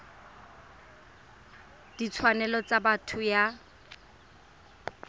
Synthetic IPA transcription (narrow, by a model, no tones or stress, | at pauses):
d̥it͡sʰwanɛlɔt͡sabatʰʊja